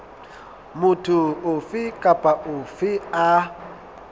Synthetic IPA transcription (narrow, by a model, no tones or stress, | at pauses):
mʊtʰʊʊfɪkʼapʼaʔʊfɪa